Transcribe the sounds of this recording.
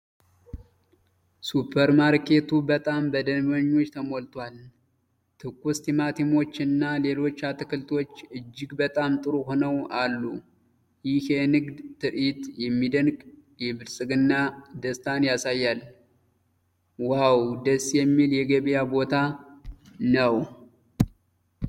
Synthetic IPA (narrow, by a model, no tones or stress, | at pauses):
supʰːəɾmaɾkʰe̞t̪ʰubət̪ʼambəd̪ənbəɲːo̞t͡ʃːt̪ʰəmolt̪ʰwal | t̪ʰɨkːust̪ʰimat̪ʰimo̞t͡ʃːɪnːale̞lo̞t͡ʃːat̪ɨkɨlt̪ʰo̞t͡ʃːɨd͡ʒːɪɡbət̪ʼamt̪ʼɨɾuhonəwalːu | jɪhjɛnɨɡd̪t̪ʰɨɾit̪jɛmːid̪ənɡ | jɛbɨɾsʼɨɡɨnːad̪əst̪ʰanjasajːal | wawd̪əsːjɛmːiljɛɡəβijabo̞t̪ʰa | nəw